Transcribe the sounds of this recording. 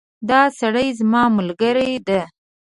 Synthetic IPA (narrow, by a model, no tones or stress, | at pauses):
d̪ɑsaɽəjzmɑmʊlɡəɾajd̪a